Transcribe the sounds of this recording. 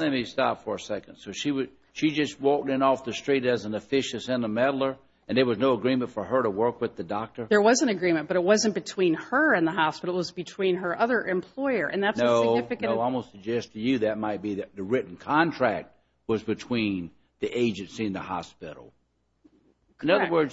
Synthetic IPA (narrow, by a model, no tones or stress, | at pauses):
ɨmistɑ̰pfə˞ɨsɛkɨ̃nd̥soʊʃiwʌ | ʃid͡ʒʌst̚wɔk̚tɨ̃nɔfðɨstɹ̥iɾɨz̃n̩ɨfɪʃɨsɨ̃nəmɛɾl̩ˠə˞ | ɨ̃nðə˞wʌznoʊəɡɹĩmɨ̃ntfə˞ə˞ɾəwɜ˞kwɨðɨdɑk̚tə˞ðə˞wʌzɨ̃nɨɡɹĩmɨ̃nb̥ʌɾɨt̚wʌzɨ̃nb̥ɨtʰw̥ĩnə˞ɨ̃nðəɦɑspɪɾl̩ˠwʌzbɨtʰw̥ĩnə˞ʔʌðə˞ʔɨ̃mpʰl̥ɔɪə˞ʔɨ̰̃nðætsnoʊɪfɨkɨ̃ʊaɪw̩ˠsɨɡ̚d͡ʒɛstʰɨjɨðɨt̚maɪt̚b̥iðɨðɨɹɪʔn̩kʰɑ̃ntʰɹ̥æk̚t̚ | wʌzbɨtʰw̥ĩn | ðiʔeɪd͡ʒɨ̃nsiɨ̃nðəhɑ̰spɪ̰ɾl̩ˠ | nʌðə˞wɜ˞dz̥